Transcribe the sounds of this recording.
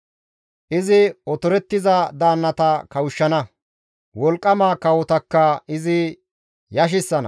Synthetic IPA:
ʔɪzɪɔt̪ɔɾɛt̪ːɪzɐd̪aːnːɐt̪ɐkɐwʊʃːɐnɐ | wɔlkʼːɐmaːkɐwɔt̪ɐkːɐʔɪzɪ | jɐʃ̬ɪsːɐnɐ̰

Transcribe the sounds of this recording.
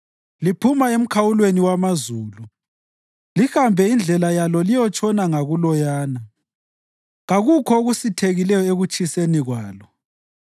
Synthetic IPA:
lipʰumaem̩kʰawulweniwamazuːlu | lihambʱɛind͡ɮʱɛlajalɔlijɔt͡ʃʼʰɔnaŋaɣulɔjaːna | ɣaɣukʰɔoɣusitʰeɣilɛjɔeɣut͡ʃʼiseniɣwaːlɔ

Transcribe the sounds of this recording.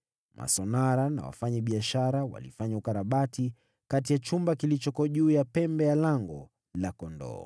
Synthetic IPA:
mʔa̰sɔnaɾana̰wa̰faɲaɓiaʃaɾawa̰lifaɲaukaɾaɓati | kat̬ijat͡ʃumbakilit͡ʃɔkɔʄuːjapɛmbɛjalaŋɡɔ | lakɔndɔ̰

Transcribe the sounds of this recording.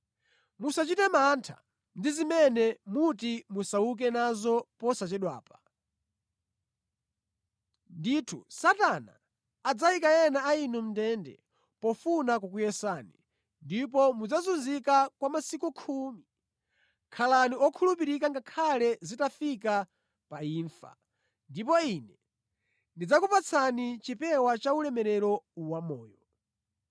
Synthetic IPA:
musat͡ʃitɛmantʰa̰ | ndizimɛnɛmutimusauk̬ɛnazɔpɔsat͡ʃɛɗwa̰ːpḁ | nditʰṵsatana̰ː | d͡zaikajɛnaainum̩dɛndɛ̰ | pɔfunak̬uk̬ujɛsaːni | ndipɔmud͡zazunzikakwamasikukʰumi | kʰalaniɔkʰulup̬iɾikaŋɡakʰalɛzitafik̬a | paiːɱfa̰ | ndipɔinɛ | ndid͡zakupat͡sʰanit͡ʃipɛwat͡ʃaulɛmɛɾɛɾɔwamɔːjɔ

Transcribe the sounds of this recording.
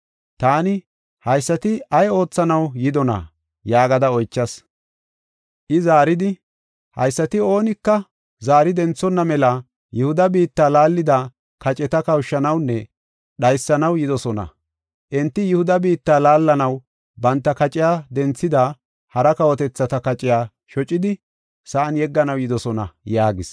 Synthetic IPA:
t̪aːnɪ | hɐjsːɐt̪ɪɐjo̞ːt͡sːɐnɐwjɪd̪ɔnɐ̰ | jaːɡɐd̪ɐɔjt͡ʃːɐs | ʔɪzaːɾɪd̪ɪ | hɐ̰jsːɐt̪ɪo̞ːnɪkːɐ | zaːɾɪd̪ɛnt͡sːɔnːɐmɛlɐ | jʊhʊd̪ɐbiːt̪ːaːlaːlːɪd̪a | kɐt͡ʃʼɛt̪ɐkɐwʃːɐnɐwnːɛ | ɗɐjsːɐnɐwjɪd̪ɔsɔnɐ̰ | ʔɛnt̪ːɪjʊhʊd̪ɐbiːt̪ːaːlaːlːɐnɐw | bɐnt̪ːɐkɐt͡ʃʼɪjaːd̪ɛnt͡sːɪd̪a | hɐɾɐkɐwɔt̪ɛt͡sːɐt̪ɐkɐt͡ʃʼɪjaː | ʃɔt͡ʃʼːɪd̪ɪ | sɐʔɐnjɛɡːɐnɐwjɪd̪ɔsɔnɐ̰jaːɡɪs

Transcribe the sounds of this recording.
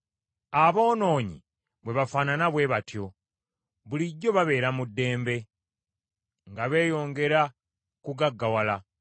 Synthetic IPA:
aβo̞ːno̞ːɲḭ | βwe̞βafaːnanaβwe̞βatjo̞ | βuliɟːo̞βaβe̞ːɾamudːe̞ːmbe̞ | ŋɡaβe̞ːjo̞ːŋɡe̞ɾa | kuɡaɡːawala

